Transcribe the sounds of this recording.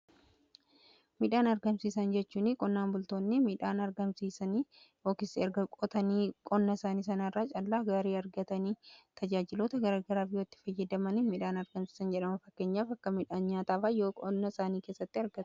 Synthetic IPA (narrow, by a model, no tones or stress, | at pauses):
mɪᶑaːnɐɾɡɐmsiːsɐnd͡ʒɛt͡ʃːuːnɪkʼɔnːaːnbʊlt̪o̞ːnːɪmiːᶑaːnɐɾɡɐmsiːsɐni | oːkɪsɪɛɾɡɐkʼɔt̪ɐniːkʼɔnːɐsaːniːs̬ɐnarːaːt͡ʃʼɐlːaːɡaːɾiːɐɾɡɐt̪ɐniːt̪ʰɐd͡ʒaːd͡ʒɪlo̞ːt̪ɐɡɐɾaːɡɐɾaːfɪjot̪ːɪ̥fɐjːɛd̪ɐmɐnɪmiᶑaːnɐɾɡɐmsi̥ːsɐnd͡ʒɛᶑɐmɐfɐkːe̞ːɲːaːfɐkːɐmɪᶑaːnɲaːt̪aːfajoːkʼɔnːɐsaːniːkeːsːɐt̪ːɪɐɾɡɐt̪